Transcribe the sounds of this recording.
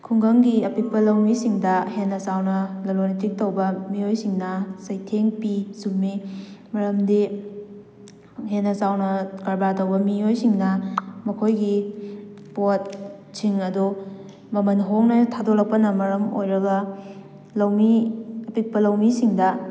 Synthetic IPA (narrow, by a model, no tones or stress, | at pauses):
kʰuŋɡɐŋɡiɐpik̚pɐlɐwmisiŋdɐhenːɐsawnɐlɐlonitik̚tɐwbɐmiojsiŋnɐsɐjtʰeŋpisumːimɐɾɐmdi | henːɐsawnɐkɐɾbatɐwbɐmiojsiŋnɐmɐkʰojɡi | pot̚siŋɐdu | mɐmɐnɦoŋnɐtʰadoɾɐk̚pɐnɐmɐɾɐmo̰jɾɐɡɐ | lɐwmiɐpik̚pɐlɐwmisiŋdɐ